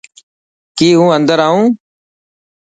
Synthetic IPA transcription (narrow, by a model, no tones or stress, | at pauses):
kiːɦũːənd̪əɾaːũː